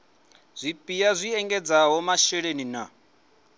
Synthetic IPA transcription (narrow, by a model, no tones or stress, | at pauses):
z̥ʷipʼijazʷiɛŋɡɛd͡zaɦɔmaʃɛɺenina